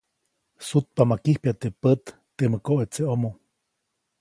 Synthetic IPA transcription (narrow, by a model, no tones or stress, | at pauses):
sut̪̚pamakihpjat̪epət̪ːeməkoʔet͡seʔomo